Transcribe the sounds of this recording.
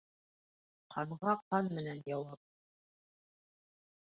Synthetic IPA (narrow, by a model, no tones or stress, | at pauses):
qʰɑɴʁɑqɑnmɘ̆nænjɑwɑp̚